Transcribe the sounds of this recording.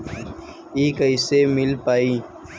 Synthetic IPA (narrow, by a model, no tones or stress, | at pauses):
iːkəiseːmɪlpaːiː